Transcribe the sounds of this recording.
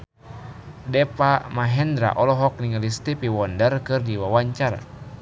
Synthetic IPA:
dɛpamaɦɛnd̪ɾa̰ʔɔlɔɦɔk̚niŋəlist̪ipiwɔndərkɨrdiwawaɲt͡ʃar̰

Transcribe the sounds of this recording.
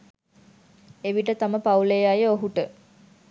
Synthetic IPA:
eʋiʈət̪aməpaulejajəoɦuʈə

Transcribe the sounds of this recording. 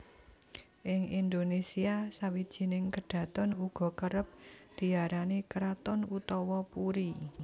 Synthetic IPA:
ʔɪŋʔind̪onesiasawid̥ʒ̥i̤nɪŋkəɖ̥ä̤t̪ɔnuɡ̥ɔ̤kəɾəp̚d̪̥i̤aɾanikɾat̪ɔnut̪ɔwɔpuɾi

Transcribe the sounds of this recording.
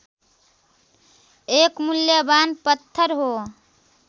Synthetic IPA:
ekmuljəbanpət̪ʰːəɾɦo

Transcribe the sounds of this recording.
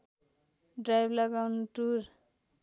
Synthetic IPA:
ɖrajblʌɡawnuʈuɾ

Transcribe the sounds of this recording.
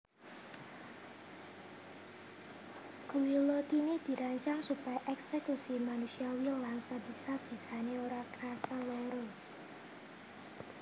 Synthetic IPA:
ɡ̥uwilot̪inid̪̥i̤ɾaɲt͡ʃaŋsupajaʔɛksekusimanusiawillaŋsabisab̥i̤saneoɾakɾasaloɾo

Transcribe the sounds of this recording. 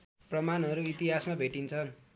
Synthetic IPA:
prʌmanɦʌɾuit̪iɦasmabʱeʈint͡sʰʌn

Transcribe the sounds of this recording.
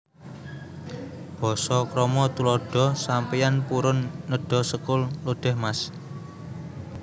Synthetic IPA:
b̥ɔ̤sɔkɾɔmɔt̪ulɔɖ̥ɔ̤sampijanpuɾʊnːəɖ̥ɔ̤səkʊlloɖ̥ɛ̤hmas

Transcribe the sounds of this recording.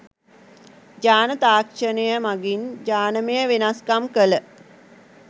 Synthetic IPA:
d͡ʒaːnət̪aːkʃənəjəmaɡind͡ʒaːnəməjəʋenaskamkələ

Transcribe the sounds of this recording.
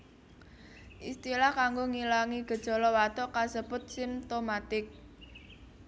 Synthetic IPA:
ʔist̪ilahkaŋɡoŋilaŋiɡ̥ə̤d̥ʒ̥ɔ̤lɔwat̪ɔkasəb̥ʊ̤t̪̚sɪmt̪omat̪ɪk̚

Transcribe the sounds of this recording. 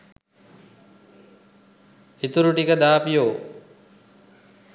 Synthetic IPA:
hit̪uɾuʈikəd̪aːpijoː

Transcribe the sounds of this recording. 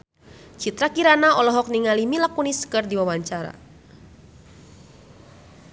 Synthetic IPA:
t͡ʃit̪ɾakiɾanaɔlɔɦɔk̚niŋalimilakuniskɨrdiwawaɲt͡ʃaɾa̰

